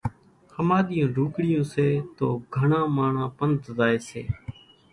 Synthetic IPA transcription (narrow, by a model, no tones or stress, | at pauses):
həmaːɗ̪ɪjõːɖʱuːkɽɪjõːseːt̪oːɡʱəɳãːmaːɳãːpənt̪zaːeːsḛː